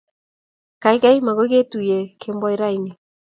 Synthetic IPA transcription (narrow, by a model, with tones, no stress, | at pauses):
ka˨i˦ka˦i˦ma˨ɣo˦ɣe˦tu˨jɛ˨kʰembɔ˦e˦ɾa˦i˨ni˨